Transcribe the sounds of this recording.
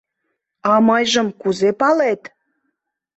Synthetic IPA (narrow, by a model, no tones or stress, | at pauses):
ɑmɑjʒə̆mkuzepɑlet̪